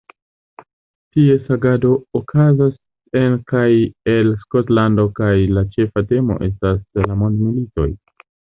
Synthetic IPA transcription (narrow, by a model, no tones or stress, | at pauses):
tie̞saɡado̞ːkʰazas | e̞nkaje̞lskotlando̞kajlat͡ʃe̞fate̞mo̞̰ʔe̞s̬taslamo̞ndmilito̞̰j